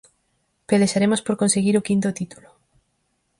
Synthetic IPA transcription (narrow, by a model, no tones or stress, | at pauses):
peðeʃaɾemʊspoɾkonseɣiɾokint̪ot̪it̪ulʊ